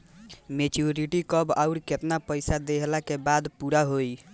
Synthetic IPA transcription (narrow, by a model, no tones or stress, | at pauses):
met͡ʃuɾiʈikəba̰ʊɾket̪napəjsad̪eɦlakebad̪puɾaɦoj